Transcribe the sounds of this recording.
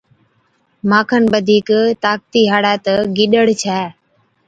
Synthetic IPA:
maːkʰənɓəd̪ʱiːkt̪aːk̚t̪iːɦaːɽaːt̪əɡɪɗəɽt͡ʃʰɛː

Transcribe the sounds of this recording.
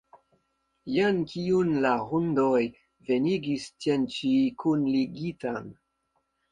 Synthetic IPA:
jankiunlaʁundoj | ve̞niɡistient͡ʃikunliɡitan

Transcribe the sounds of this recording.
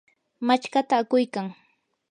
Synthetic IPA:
mat͡ʃkat̪aːkʊjkaŋ

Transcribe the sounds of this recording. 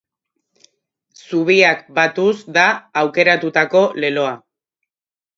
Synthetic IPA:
suβiakbat̪uzd̪aːwke̞ɾat̪ut̪ako̞le̞lo̞a

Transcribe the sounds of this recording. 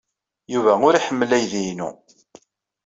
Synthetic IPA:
juvæʊɾiħəmːəlæjðinṵ

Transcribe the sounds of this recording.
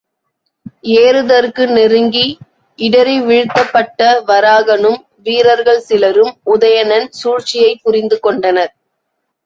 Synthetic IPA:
eːɾɯðɐɾkɯnɛɾɯŋɡi | ɪɽɐɾiʋɪɻɯt̪ːɐpːɐʈːɐʋɐɾaːɣɐnɯm | ʋiːɾɐɾɣɐɭsɪlɐɾɯmʊðɐjɐnɐnsuːɻt͡ʃɪjɐɪpːʊɾɪnd̪ɯkɔɳɖɐnɐɾ

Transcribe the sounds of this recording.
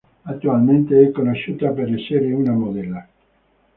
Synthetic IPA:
at̪ːualment̪eɛkːonoʃːut̪apeɾɛsːeɾeunamod̪ɛlːa

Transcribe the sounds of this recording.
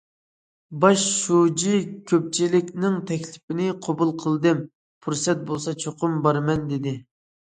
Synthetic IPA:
bɑʃːud͡ʒikʲʰøp̚t͡ʃʰilɪkʲnɪŋt̪ʰɛkʲlɪ̥pɪnɪqʰobulˠqʰəlˠd̪ɨm | pʰuɾsɛt̪̚bolˠsɑt͡ʃʰoqʊmbɑɾmɛnd̪ɪd̪ɪ

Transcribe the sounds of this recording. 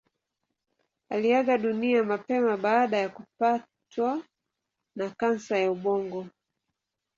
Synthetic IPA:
aliaɠaɗuniamapɛmaɓaːɗajakupa | twa | nakansajauɓɔŋɡɔ

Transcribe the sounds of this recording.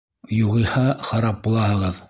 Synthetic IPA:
juʁijhɑχɑɾɑp̚bulˠɑhɤ̆ʁɤð

